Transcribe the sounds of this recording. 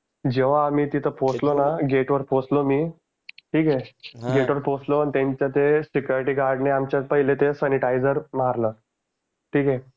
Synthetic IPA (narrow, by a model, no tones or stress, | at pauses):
d͡ʑeʋ̤aːmiːt̪it̪ʰəpot͡slonaɡeʈʋəɾposlomiː | ʈʰiːkeɡeʈʋəɾposloant̪ẽɲt͡ɕjat̪esikjuɾiʈiːɡaɾɖneamt͡ɕjat̪pəɦilet̪esəniʈajd͡zəɾmaɾlə | ʈʰiːke